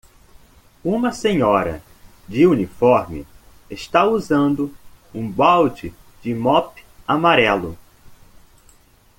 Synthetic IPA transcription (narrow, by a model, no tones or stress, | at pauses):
ũmɐsẽɲɔɾɐ̰ | d͡ʒɪunifɔɾmɪ | eʃt̪auzɐ̃nd̪ʊ | ũbawd͡ʒɪ | d͡ʒɪmɔpamaɾɛlʊ